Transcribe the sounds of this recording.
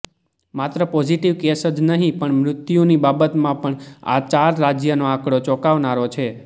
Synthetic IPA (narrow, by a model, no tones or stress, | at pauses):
mat̪ɾəpɔd͡ʒiʈiʋkesəd͡ʒnəɦĩpəɳmɾʊt̪junibabət̪mãpəɳa̰t͡ʃaɾːad͡ʒjənoakɽot͡ʃɔkaʋnaɾot͡ʃʰe